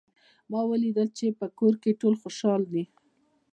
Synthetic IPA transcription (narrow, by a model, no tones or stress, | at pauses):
mɑwəlid̪əlt͡ʃepəkoɾkeʈolxoʃɑld̪i